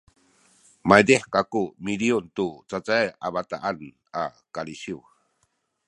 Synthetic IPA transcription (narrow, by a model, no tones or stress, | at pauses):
majdeħkakumiliuntut͡sat͡sajaβat̪aʔan | a | kaliɕiw